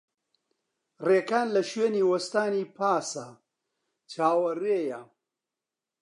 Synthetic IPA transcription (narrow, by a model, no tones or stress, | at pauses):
reːkaːnlɐʃweːniːwɐst̪aːniːpʰaːsɐ | t͡ʃaːwɐreːjɐ